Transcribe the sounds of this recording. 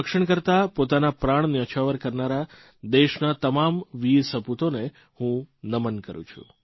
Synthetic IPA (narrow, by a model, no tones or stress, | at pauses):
əkʃəɳ̃kəɾt̪apot̪anapɾaɳ̃njət͡ʃʰaʋəɾkəɾnaɾa | d̪eʃnat̪əmamʋisəput̪one | hũnəmənkəɾṵ̃t͡ʃʰṵ̃